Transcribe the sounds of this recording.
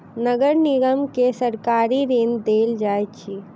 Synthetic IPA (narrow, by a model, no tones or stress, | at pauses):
nəɡəɾnɪɡəmkesəɾkaːɾiɾend̪eːld͡ʒaːjt͡ʃʰi